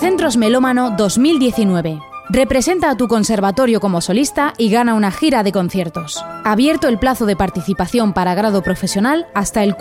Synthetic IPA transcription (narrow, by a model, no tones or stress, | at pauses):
θe̞nt̪ɾo̞zme̞lo̞mano̞ðo̞zmild̪je̞θinwe̞βe̞re̞pɾe̞se̞nt̪aːt̪uko̞nse̞ɾβat̪o̞ɾjo̞ko̞mo̞so̞list̪aʔiɣanaunaxiɾaðe̞ko̞nθjeɾt̪o̞saβje̞ɾt̪oe̞lplaθo̞ð̞e̞paɾt̪iθipaθjo̞mpaɾaɣ̞ɾað̞opɾo̞fe̞sjo̞nalast̪ae̞lk